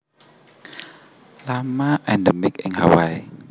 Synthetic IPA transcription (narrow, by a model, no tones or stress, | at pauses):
lamaʔɛ̃ndɛmɪkɪ̃nhawaj